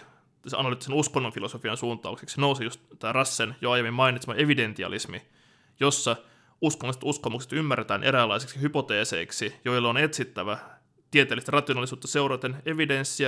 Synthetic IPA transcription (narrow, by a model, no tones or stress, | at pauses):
seʔɑ̰nɑlyt̪ːisenuskonːonfilosofiɑnsuːnt̪ˑɑ̰ukseksinousejust̪t̪æːrɑsːenjoɑjemimmɑinit̪smɑeʋident̪iɑ̰lismḭ | josːɑ | uskonːliset̪uskomukse̥t̪ymːæret̪æːnʔeɾæːlːɑisi̥ksihypo̞t̪eːse̞̰iksijo̞ilːɑonet̪sit̪ːæʋæ | t̪iet̪eːlːist̪ærɑt̪ˑionɑlːˑisuːt̪ːɑse̞urɑt̪ene̞ʋidensːiɑ